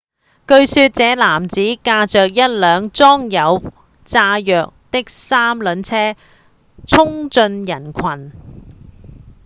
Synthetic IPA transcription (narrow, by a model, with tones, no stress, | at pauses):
kɵ˧ɥsyː˧t̚t͡sɛː˨˧˥laː˨˩mt͡siː˨˥kaː˧t͡ʃœː˨k̚jɐ˥t̚lœː˨˧ŋt͡sɔː˥ŋjɐ˨˧w | t͡saː˧jœː˨k̚t̪ɪ˥k̚saː˥mlɵ˨˧nt͡sʰɛː˥ | t͡sʰʊ˥ŋt͡sɵ˧njɐ˨˩nkʷʰɐ˨˩n